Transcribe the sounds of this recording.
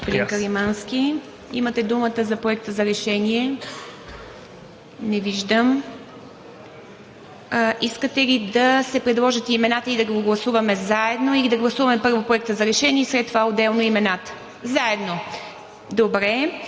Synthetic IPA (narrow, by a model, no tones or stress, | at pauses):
ɡospod̪inkəɾimansk̟ʲi | ḭmət̪ɛd̪umət̪əzɐpɾoɛkt̪əzɐɾɛʃɛniɛ | nɛviʒd̪əm | iskət̪ɛlid̪ɐsɛpɾɛd̪lˠɔʒət̪ɛimɛnat̪əid̪ɐɡɡoɡlˠɐsuvɐmɛzaɛd̪noilid̪ɐɡlˠɐsuvɐmɛpɤɾvopɾoʊɛk̚t̪əzɐɾɛʃɛniɛsɾɛt̪ːovaod̪ɛlˠnoimɛnat̪ə̥ | zaɛd̪no | d̪obɾɛ